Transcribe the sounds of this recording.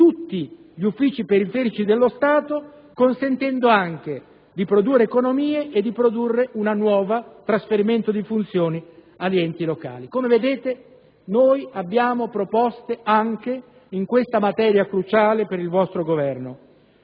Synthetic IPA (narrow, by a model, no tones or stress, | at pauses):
t̪ut̪ːi | ʎiufːiːt͡ʃipeɾifɛːɾit͡ʃid̪elːost̪aːt̪o | konsent̪ɛnd̪oaŋk̟e | d̪ipɾod̪urːeːkonomiːeʔed̪ːipɾod̪urːeʔunanwɔːvat̪ɾasfeɾiment̪od̪ifunt̪sjoːni | aliɛnt̪iloka̰ːlikomeved̪eːt̪e | noːjabːjaːmopɾopɔst̪eaŋk̟e | iŋkwest̪amat̪ɛːɾjakɾut͡ʃaːlepeɾilvɔst̪ɾoɡovɛrno